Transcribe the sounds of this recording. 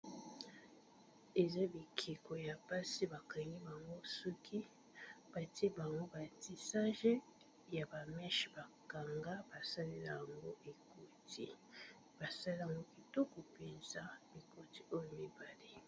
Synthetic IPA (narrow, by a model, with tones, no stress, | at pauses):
e˨za˦bi˨kʰe˨ko˨ja˨pa˦si˦ba˨ka˨ŋɡi˦ba˨ŋɡo˦sɔ˦kʰi˦ | b̥a˨ti˦e˦ba˨ŋɡo˦ba˨ti˨sa˦ʒe˦ | ja˨ba˨mɛ˦ʃi̥˨ba˨ka˨ŋɡa˦ba˨sa˦li˦la˦˨ja˨ŋɡo˦ʔe˨ko˨tʰi˨ | b̥a˨sa˦li˦˨a˨ŋɡo˦ki˨to˦ko˨pe˨nza˨bi˨kʰo˦ti̥˦o˦jo˨mi˦ba˨le˦